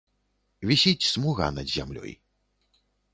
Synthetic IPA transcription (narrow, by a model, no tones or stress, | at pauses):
vʲisʲit͡sʲsmuɣa̰nɐd̪ʲzʲa̰mlʲɔ̰j